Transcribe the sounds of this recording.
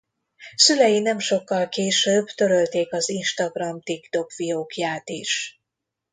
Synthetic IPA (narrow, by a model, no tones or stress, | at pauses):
sylɛjinɛmʃo̞kːɒlkeːʃøːbt̪ø̞ɾølt̪eːkɒzinʃt̪ɒɡrɒmt̪ikt̪o̞kvijoːkjaːt̪iʃ